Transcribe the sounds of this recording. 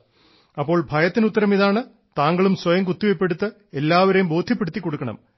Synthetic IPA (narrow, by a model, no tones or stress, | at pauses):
ɐpːo̞ːɭbʱɐjɐt̪ːinut̪ːɐɾɐmiðaːɳɨ | t̪aːŋɡɐɭumswɐjɐŋkut̪ːiʋɐjpːeɽut̪ːɨ | e̞lːaːʋɐɾejumbo̞ːd̪ʱjɐpːeɽut̪ːikːo̞ɽukːɐɳɐ̰m